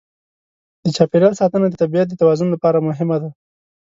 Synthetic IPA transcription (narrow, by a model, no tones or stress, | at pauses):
d̪ət͡ʃɑpeɾjɑlsɑt̪ənad̪ət̪abijat̪̚d̪ət̪awɑzʊnlapɑɾamʊɦɪmad̪a